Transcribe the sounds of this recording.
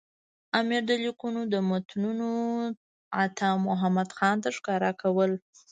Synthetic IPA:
amiɾd̪əlikunod̪əmat̪nuno | at̪ʰɑmʊɦamad̪xɑnt̪aʂkɑɾakʰawəl

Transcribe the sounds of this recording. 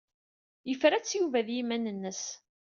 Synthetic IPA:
jəfɾæt͡sːjuvæðjimænənːəs

